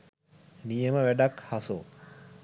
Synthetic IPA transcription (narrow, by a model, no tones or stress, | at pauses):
nijəməʋæɖakhaso